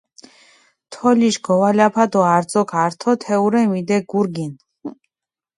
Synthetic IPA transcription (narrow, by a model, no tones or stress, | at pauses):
t̪ʰɔliʃɡɔwalapʰad̪ɔaɾd̪zɔkʰaɾt̪ʰɔt̪ʰɛuɾɛmid̪ɛɡuɾɡin